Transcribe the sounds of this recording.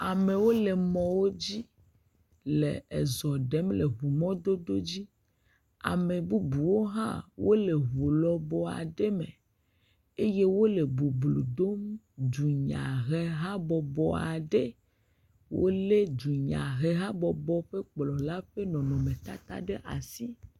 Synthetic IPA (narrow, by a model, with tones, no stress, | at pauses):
a˨me˨wo˦le˨mɔ̃˨wo˦d͡ʑi˦ | lḛ˨ḛ˨zɔ˨ɖɛ˦mle˨ɦu˨mɔ̃˦d̪o˦d̪o˦d͡ʑi˦ | a̰˨me˨bu˦bu˨wo˦ɦã̰˦˨wo˦le˨ɦo˨lɔ˦bɔ˦a̰˨ɖe˦mḛ˨ | e˦je˦wo˦le˨bu˨blu˨d̪o˦m | d͡ʒu˨ɲã̰˨ɦe˦ɦa˦bɔ˨bɔ˨a˨ɖe˦ | wo̰˦le˦d͡ʒu˨ɲã̰˨ɦe˦ɦa˦bɔ˨bɔ˦ɸe˦k͡plɔ˨la˦ɸe˦nɔ̃˨nɔ̃˨mẽ˨t̪a̰˦t̪a̰˦ɖe˦ʔa̰˨si˦